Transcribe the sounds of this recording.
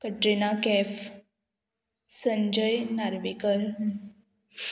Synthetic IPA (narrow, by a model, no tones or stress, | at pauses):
kəʈɾinakɛf | səɲd͡ʑəjnaɾʋikəɾ